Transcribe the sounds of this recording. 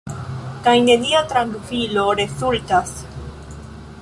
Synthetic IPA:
kajne̞niat̪ɾaŋɡfilo̞ɾe̞sultas

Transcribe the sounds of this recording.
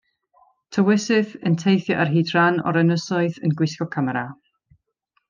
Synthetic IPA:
tʰəwɪsɨθəntʰejθjɔʔarɦiːdranɔ̰ɾɛnəsɔɨðənɡwɪskɔkʰamaɾa

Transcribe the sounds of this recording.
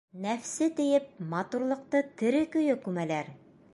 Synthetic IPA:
næfsɘt̪ɘ̆jɘp̚mɑt̪uɾlˠɤ̆q̚t̪ɤt̪ɘ̆ɾɘkɵ̆jɵkʉmælæɾ

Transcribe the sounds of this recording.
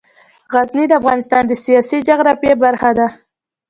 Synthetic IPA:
ɣaznid̪əafɣɑnɪst̪ɑnd̪əsijɑsid͡ʒaɣɾapjebaɾxad̪a

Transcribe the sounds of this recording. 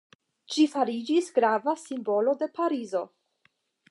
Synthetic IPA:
ʃifaɾid͡ʒisɡɾavasimbo̞lo̞de̞paɾizo̞

